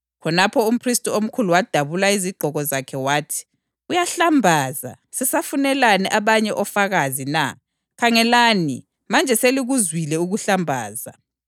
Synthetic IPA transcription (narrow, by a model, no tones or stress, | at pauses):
kʰɔnapʰɔum̩pʰristʼuom̩kʰuluwad̥ʱaβulaiziɡ͡ǃʱɔɣɔzakʰɛwaːtʰi̥ | ujaɬambʱaːza̰ | sɛsafunɛlanɛʔaβaɲɛʔɔfaɣazina̰ | kʰaŋɛlaːnḭ | mand͡ʒʱɛseliɣuzwilɛuɣuɬambʱa̰ːza̰